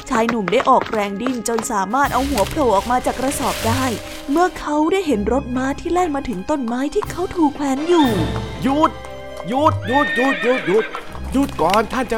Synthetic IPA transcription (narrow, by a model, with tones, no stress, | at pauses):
t͡ɕʰaː˧jnu˨˩mdaː˥˩jʔɔː˨˩k̚ɾɛː˧ŋdi˧˩nt͡ɕo˧nsaː˩˦maː˥˩t̪̚ʔa˧whu˩˦ɐpʰlo˧˩wʔɔː˨˩k̚maː˧t͡ɕaː˨˩kɾa˧sɔː˨˩p̚daː˥˩j | mɯ˥˩ɐkʰa˦˥wdaː˥˩jɦe˩˦nɾo˦˥t̪̚maː˦˥t̪ʰiː˥˩lɛː˥˩ŋmaː˧t̪ʰɯ˩˦ŋt̪o˧˥˩nmaː˦˥jt̪ʰiː˥˩kʰa˦˥wt̪ʰuː˨˩kʰwɛː˨˥njuː˨˩ju˦˥˩t̪̚ | ju˦˥˩t̪̚juː˥˩t̪̚ju˦˥˩t̪̚juː˦˥t̪̚juː˦˥˩t̪̚ | juː˦˥˩t̪̚kɔː˨˩nt̪ʰa˥˩nt͡ɕa˧